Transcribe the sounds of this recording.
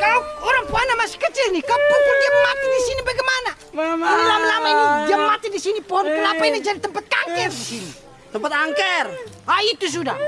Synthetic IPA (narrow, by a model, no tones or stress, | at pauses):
kauoɾaŋpoanamasi̥kət͡ʃɪlnikapuŋkuldiamat̪idisinibaɡɛmana | nilamalamainidiamat̪idisinipoanpəlapainad͡ʒadit̪əmpat̪̚kaŋkɛrdisini | t̪əmpat̪̚kaŋkɛr | ait̪us̬uda